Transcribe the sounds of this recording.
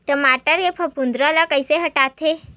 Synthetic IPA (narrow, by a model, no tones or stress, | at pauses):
ʈəmaʈəɾepʰəpund̪ɾəlakəjseɦəʈat̪ʰe